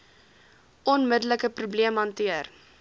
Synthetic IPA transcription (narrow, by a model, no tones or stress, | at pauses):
ɔnmədələkəprubliəmɦɐntiər